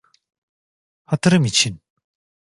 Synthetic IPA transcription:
hat̪ʰɯɾɯmit͡ɕʰin

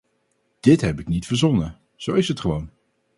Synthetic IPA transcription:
d̥ɪtɦɛpɪknitfəɹzɔnə | z̥owɪsɦətχəʋown

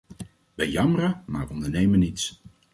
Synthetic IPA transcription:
ʋɛjɑmərəma̰ːɹʋəɔndəɹnejmənits

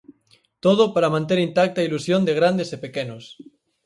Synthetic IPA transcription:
t̪oð̞opaɾamãnt̪eɾint̪ak̚t̪ailusjond̪eɣ̞ɾand̪esepekenos

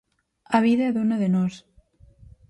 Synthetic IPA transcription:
aβ̞iðɐðonaðenos

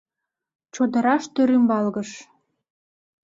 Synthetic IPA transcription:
t͡ɕod̪ə̆ɾɑʃt̪øɾymbɑlɣəʃ

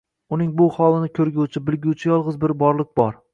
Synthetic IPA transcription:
ʊnɪŋbʊhɒlˠɪnɪkʲʰɵɾɡʲut͡ʃʰɪbɪlɡʲut͡ʃʰɪjɒlˠʁɨzbɪɾbɒɾlˠɪk̚ʲbɒɾ

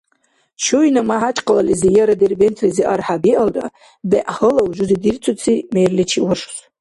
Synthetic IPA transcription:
ʃujnamaħat͡ʃʼqʼalalizijaɾaderbentʰliziʔarħabiʔalda̰ | baʔhəlawuʒʷʊzidirt͡sʷʰut͡sʰimejrlit͡ʃʰiwaʂs

